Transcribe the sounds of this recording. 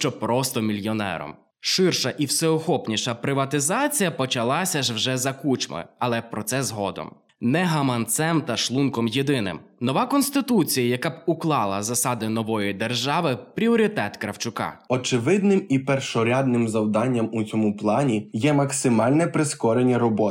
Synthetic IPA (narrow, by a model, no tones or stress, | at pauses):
ʃt͡ʃɔpɾɔst̪ɔmʲilʲjɔnɛ̰ɾɔ̰m | ʃɪrʃɐʔiwsɛɔxɔpnʲiʃɐpɾɪʋɐt̪ɪzɑt͡sʲijɐpɔt͡ʃɐlˠɑsʲɐʒwʒɛzɐkut͡ʃmɔ̰ɐlˠɛpɾɔt̪sɛzɦɔd̪ɔ̰m | nɛɦɐmɐnt̪sɛmt̪ɐʃlˠunkɔmjed̪ɪnɪ̰m | nɔʋɑkɔnʲsʲt̪ɪt̪ut͡sʲijɐjɐkabuklˠɑlˠɐzɐsɑd̪ɪnɔʋɔjid̪erʒɑʋɪpɾʲiɔɾʲit̪ɛt̪kɾɐwt͡ʃʊkɑ̰ɔt͡ʃɪʋɪd̪nɪmipɛrʃɔɾʲad̪nɪmzɐwd̪ɑnʲːɐmut͡sʲɔmuplˠɑnʲijɛmɐksɪmɑlʲnɛpɾɪskɔɾenʲːɐɾɔbɔ